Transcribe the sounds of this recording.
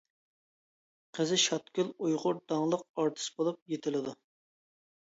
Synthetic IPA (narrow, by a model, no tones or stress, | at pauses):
qʰəzɪʃɑt̪̚kʲylˠujʁʊɾd̪̥ɑŋlˠəq̚ɑɾt̪ʰɨ̥sbolˠup̚jet̪ʰɪlɪd̪u